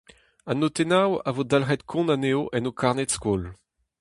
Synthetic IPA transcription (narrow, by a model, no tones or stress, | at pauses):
anot̪enawavodalʁɛt̪kʰɔ̃naneoʔɛnokʰaʁnetskol